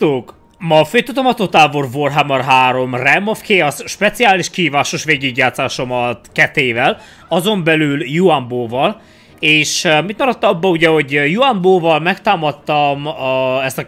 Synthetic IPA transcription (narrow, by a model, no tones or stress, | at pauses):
t̪oːk | mɒføːt̪ut̪omɒt̪ot̪aːborvorɦamɒrɦaːɾo̞mrɛmofkeɒsʃpɛt̪siaːliʃkihiːvaːʃoʃʋeːɟyɟːaːt̪saːʃo̞mɒt̪kɛt̪eːvɛl | ɒzo̞mbɛlyljuamboːvɒl | eːʃmit̪mɒɾɒt̪ːɒbːɒuɟɛɦo̞ɟjuamboːvɒlmɛkt̪aːmɒt̪ːɒmɒɛst̪ɒ